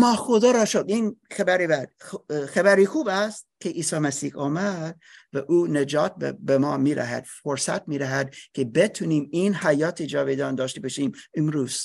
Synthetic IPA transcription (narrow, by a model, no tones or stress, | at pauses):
mɒːxod̪ɑːɾɒːʃod̪iːnxæbæɾibæd̪xæbæɾiːxuːbæst̪kʰeʔiːsɑːmæsiːhɒːmæd̪̥̚ | væʔuːned͡ʒɒːt̪̚bbemɒːmiːɾæ̰ɦæ̰d̪̥foɾsæ̰t̪̚miːd̪æɦæd̪kʲʰebet̪ʰuniːmiːnhæjɒːt̪ʰed͡ʒɒːved̪ɒːnd̪ɒːʃt̪ebeʃiːmemɾuːz̥